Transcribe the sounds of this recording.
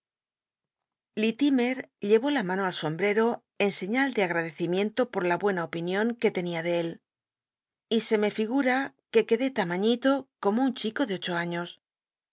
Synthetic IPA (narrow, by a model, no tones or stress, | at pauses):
lit̪ime̞ɾʎe̞βo̞lamãno̞also̞mbɾe̞ɾo̞ | e̞nse̞ɲald̪e̞aɣ̞ɾaðe̞θimjẽ̞nt̪o̞po̞ɾlaβwe̞naopinjo̞ŋke̞t̪e̞niað̞e̞el | ise̞me̞fiɣ̞uɾake̞ke̞ðe̞t̪amaɲit̪o̞ko̞mo̞uɲt͡ʃiko̞ðe̞o̞t͡ʃo̞aɲo̞s